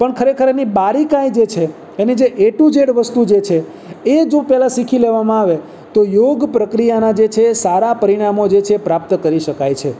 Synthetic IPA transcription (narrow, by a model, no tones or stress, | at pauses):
pəɳkʰəɾekʰəɾanibaɾikaid͡ʒet͡ʃʰe | enid͡ʒeʔeʈud͡ʒeɽʋəst̪ud͡ʒet͡ʃʰe | ed͡ʒopɛɦlasikʰileʋamãaʋe | t̪ojoɡpɾəkɾijanad͡ʒet͡ʃʰesaɾapəɾiɽ̃amod͡ʒet͡ʃʰepɾap̚t̪kəɾiʃəkajt͡ʃʰe